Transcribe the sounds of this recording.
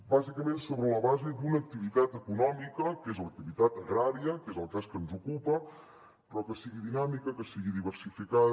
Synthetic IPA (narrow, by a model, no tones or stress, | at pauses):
bazikəmensoβɾələβazed̪unək̚t̪iβit̪at̪əkunɔmikəkezlək̚t̪iβit̪at̪ɣɾaɾiəkezəlˠkaskənzukupə | pɾɔkəsiɣiðinamikəkəsiɣiðiβəɾsifikað